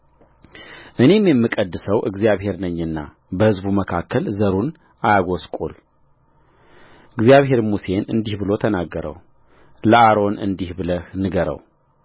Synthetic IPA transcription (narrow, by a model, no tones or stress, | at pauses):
ʔɨne̞mjɛmːɨkʼəd̪ːɨsəwʔɨɡzijaβhe̞ɾnəɲːɨnːa̰ | bəhɨzbuməkʰakːəlzəɾun | ʔajaɡoskʼṵl | ʔɨɡzijaβɦe̞ɾmuse̞nɨnd̪ihbɨlo̞t̪ʰənaɡːəɾə̰w | ləaɾo̞nɨ̰nd̪ihbɨləhnɨɡəɾə̰w